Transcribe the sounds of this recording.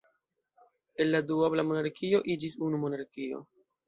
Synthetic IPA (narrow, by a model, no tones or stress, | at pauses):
e̞nladuablamo̞naɾkio̞ʔid͡ʒisunumo̞naɾkio̞̰